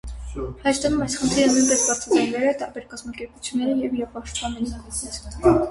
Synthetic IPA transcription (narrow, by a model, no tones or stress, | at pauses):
hɑt͡ʃd̪ənumɑjsχənt̪ʰɾiɾəmujmpɛsbɑɾt͡sʰɑd͡zɑjnɛɾɛt̪ɑɾbɛɾkɑzmɑkɛɾput͡sʰjunːɛɾəjɛviɾɛvpɑʃt̪pɑnɛniitʰnɛskt̪ʰkɑl